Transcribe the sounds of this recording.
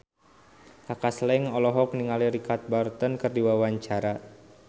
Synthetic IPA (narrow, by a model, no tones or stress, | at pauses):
kakaslɛŋɔlɔɦɔkniŋaliɾikat̪̚bart̪ənkɨrdiwawaɲt͡ʃaɾa